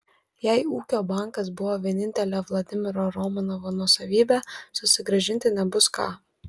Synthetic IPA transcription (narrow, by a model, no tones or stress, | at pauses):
jæɪuːkʲoːbɑˑŋkɐs̬bʊʋoːʋʲiɛnʲɪnʲt̪ʲɛlʲɛːʋlˠɐd̪ʲɪmʲɪɾoːɾɔmɐnɔʋoːnuɔsɐʋʲiːbʲæːsʊsʲɪɡɾɐʒʲɪnʲt̪ʲɪnʲɛbʊskɑ̰ː